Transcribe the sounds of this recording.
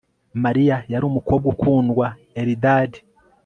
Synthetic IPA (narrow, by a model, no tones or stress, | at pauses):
maɾijajaɾuːmuko̞b̚ɡukuːndɡwa | eɾidaːdi